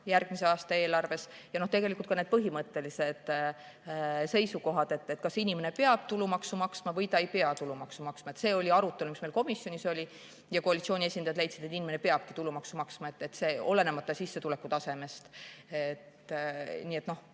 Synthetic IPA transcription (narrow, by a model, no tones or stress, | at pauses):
jærɡ̥mise̞ɑːst̪ɑe̞ːlɑrve̞sjɑno̞ht̪e̞ɡe̞likult̪kɑne̞d̪̚pɤɦimɤt̪ːe̞lise̞d̪̥ | se̞jsuko̞ɦɑd̪̥e̞t̪ːet̪kɑsinʲime̞ne̞pe̞ɑb̥̚t̪ulumɑksumɑksmɑvɤjt̪ɑejpe̞ɑt̪ulːumɑksumɑksmɑe̞t̪se̞ːo̞lʲiɑɾut̪ːˑe̞lumisme̞lko̞misjo̞nʲiso̞lʲi | jɑko̞ɑlʲit̪sioːnʲiesʲind̪ɑjɑd̪lejt̪sid̪̥et̪ːˑinimene̞pe̞ɑb̥̚kit̪ulːumɑksumɑksmɑe̞t̪ːe̞t̪se̞ːo̞le̞nemɑt̪ːˑɑsisːe̞t̪ulekːˑut̪ɑse̞me̞st̪et̪nʲiːe̞t̪no̞h